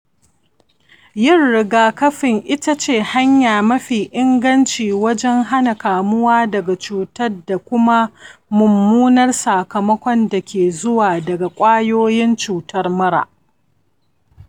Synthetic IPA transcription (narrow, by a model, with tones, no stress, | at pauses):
jɪ˦rːɪ˨ɡaː˨kɐ˦ɸɪ˨ŋʔɪ˦ta˦t͡ʃeː˦˨ha˦ɲjaː˨mɐ˦ɸiː˨ʔɪ˦ŋɡɐ˦nt͡ʃiː˨wɐ˦d͡ʒɛ˦ŋɦa˦na˨kaː˨mʊ˦waː˦dɐ˨ɡa˨t͡ʃuː˨tɐ˦rda˨kʷʊ˦ma˦mʊ˨mːuː˦nɐ˦rsaː˨kɐ˨mɐ˦kʷɔ˦nda˨kʲʰeː˨zʊ˦waː˨dɐ˨ɡa˨kʷʼaː˦joː˦jɪ˦nt͡ʃuː˨tʰɐ˦rmɐ˦ɽa̰˨ʔ